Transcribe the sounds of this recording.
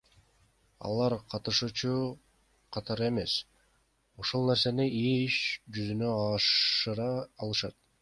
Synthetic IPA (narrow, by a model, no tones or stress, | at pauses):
ɑ̰lˠɑɾqʰɑt̪ɯʃut͡ʃu | qʰɑt̪ɑɾɯe̞me̞s | o̞ʃolˠneɾse̞niiʃd͡ʒyzynøɑʃɯɾɑːlˠɯʃɑt̪